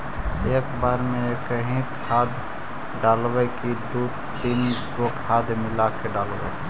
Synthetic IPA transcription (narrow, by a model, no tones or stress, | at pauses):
eːkbaːɾmẽekəɦẽkʰaːd̪ | ɖaːlwekid̪u | d̪inkokʰaːd̪ʱmɪlakeɖaːlwḛ